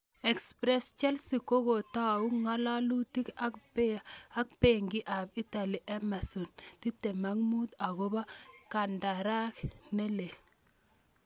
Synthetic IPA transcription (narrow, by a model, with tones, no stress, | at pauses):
ɛ˨kspɾɛ˦st͡ʃɛ˦lsi˨ko˦ɡo˨ta˦˨u˦ŋa˦la˦lu˦ti˦k | a˦k̚pe˦ŋɡɪ˦ʔa˨bi˦ta˨li˨ʔɛ˦ma˨sɔ˨nti˦te˨ma˦ŋmu˦t̪a˨ɡo˦ba˦ka˨nda˨ɾa˦knɛ˦le˨l